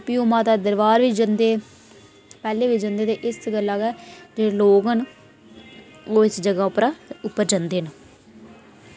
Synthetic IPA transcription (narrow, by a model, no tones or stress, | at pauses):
piːoːmãːt̪aːd̪əɾʋaːɾʋiːd͡ʒənd̪eː | pɛːleːʋiːd͡ʒənd̪eːt̪eːʔɪsɡəlːaːɡɛːd͡ʒeːeloːɡən | oːɪsd͡ʒəɡaːʊpɾaʊpːəɾd͡ʒənd̪eːn